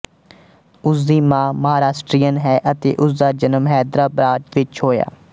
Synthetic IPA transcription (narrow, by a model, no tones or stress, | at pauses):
ʊs̬d̪iːmãːməɦaːɾaːsʈɾiːənɦɛːʔət̪ḛːʔʊs̬d̪aːd͡ʒənəmɦɛːd̪ɾaːbɾaːʈʋɪt͡ʃɦoːja̰ː